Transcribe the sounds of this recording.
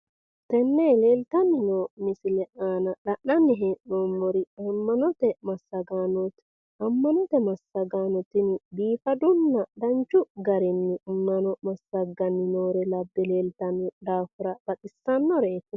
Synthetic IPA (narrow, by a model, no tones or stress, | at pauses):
t̪ɛnːɛle̞ːlt̪ɐnːɪnoːmɪsɪlɛʔaːnɐᶑɐʔːɐnːɪɦeːʔnoːmːɔɾɪɐmːɐnɔt̪ɛmɐsːɐɡaːnɔt̪ | ɐmːɐnɔt̪ɛmɐsːɐɡaːnɔt̪ɪnbiːfɐd̪ʊnːɐd̪ɐnt͡ʃːʊɡɐɾɪnːɪmːɐnɔmɐsːɐɡɐnːɪnoːɾɛlɐbːɛle̞ːlt̪ɐnːɪd̪aːfʊɾɐb̥ɐt̪ʼɪsːɐnːɔɾeːkːʊ